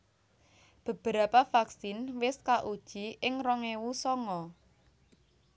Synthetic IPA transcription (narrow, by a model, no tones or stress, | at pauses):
b̥ə̤b̥əɾapafaksɪnwɪskaʔud̥ʒ̥i̤ʔɪŋrɔŋewusɔŋɔ